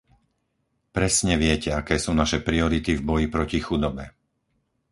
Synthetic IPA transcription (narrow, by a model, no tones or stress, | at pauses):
pɾɛsɲɛʋɪɛcɛakɛːsuːnaʃɛpɾiɔɾit̪ivbɔjipɾɔcixud̪ɔbɛ